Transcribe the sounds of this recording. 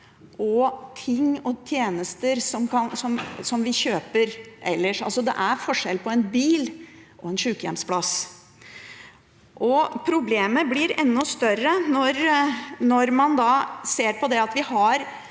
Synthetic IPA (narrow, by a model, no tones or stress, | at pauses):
ʔɔt̪ʰɪŋːɔt̪ʰjeːnəst̪əɾsɔmkɑnsɔmsɔmʋɪçøːpəɾʔɛ̰lːəʂɑ̰lsɔd̪ɛ̰ʔæɾfɔʂɛlpʰɔɛnbiːlʔɔɛnʂʉːkəjɛ̰mspʰlɑs | ʔɔpʰɾʊbleːməblɪɾɛ̰nːɔst̪œɾənɔɾnɔɾmɑnd̪ɑːseːɾpʰɔd̪ɛɑt̪ʋɪhɑɾ